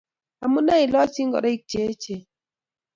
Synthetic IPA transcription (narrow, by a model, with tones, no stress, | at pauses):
a˨mu˦na˦ɪ˨lɔ˦si˦ŋɡɔ̰˨ɾɔ˦i˦k̚t͡ʃe˨˦t͡ʃe˨